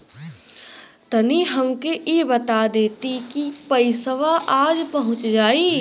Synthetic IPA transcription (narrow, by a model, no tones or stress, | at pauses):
t̪ɐniɦɐmkeʔjebɐt̪ad̪eːt̪ikipɐɪsəʋaʔaːd͡ʒpɐɦʊ̃t͡ʃd͡ʒaːiː